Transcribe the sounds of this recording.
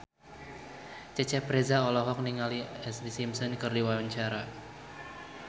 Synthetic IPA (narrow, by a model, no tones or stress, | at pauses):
t͡ʃət͡ʃɛpɾezaɔlɔɦɔk̚niŋaliɛslisimsɔnkɨrdiwawaɲt͡ʃaɾa